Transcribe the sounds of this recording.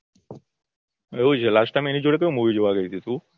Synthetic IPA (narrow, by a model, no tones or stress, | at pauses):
eud͡ʒelasʈajmenid͡ʒoɽek̬eomuʋid͡ʒoʋaɡəjt̪ʰit̪u